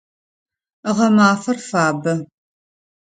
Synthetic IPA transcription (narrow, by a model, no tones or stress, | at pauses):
ʁɐmaːfɐrfaːbɐ